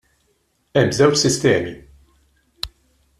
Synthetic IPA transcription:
ɛmːzɛwt͡ʃsɪst̪ɛːmi

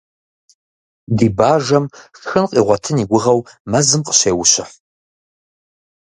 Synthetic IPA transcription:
diːbaːʒɐmxxɨnqʼiːʁʷɔtʰɨniɡʷʊʁɐwmɐzɨmqʼə̥ɕeːwʊɕɪħ

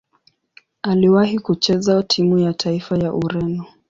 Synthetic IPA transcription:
aliwahikut͡ʃɛzatʰimujatʰaifajaʔuɾɛnɔ

